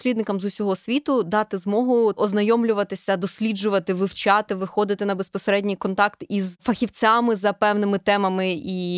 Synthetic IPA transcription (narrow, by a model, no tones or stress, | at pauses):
sʲlʲid̪nɪkɐmzusʲɔɦɔsʲʋʲit̪ʊd̪ɑt̪ɪzmɔɦʊɔznɐjɔmlʲʊʋɐt̪ɪsʲɐd̪ɔsʲlʲid͡ʒʊʋɐt̪ɪʋɪwt͡ʃɑt̪ɪʋɪxɔd̪ɪt̪ɪnɐbespɔseɾɛdʲnʲijkɔnt̪ɑkt̪izfɐxʲiwt͡sʲamɪzɐpɛwnɪmɪt̪ɛmɐmɪi